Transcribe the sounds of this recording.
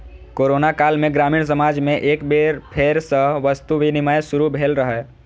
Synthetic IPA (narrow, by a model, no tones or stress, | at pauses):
koːɾoːnakaːlmẽɡɾaːmiːɽ̃s̬əmaːd͡ʒmẽʔeːkbeɾpʰeːɾsəʋəst̪uʋinimaːjsʊɾubʱeːlɾəɦɛː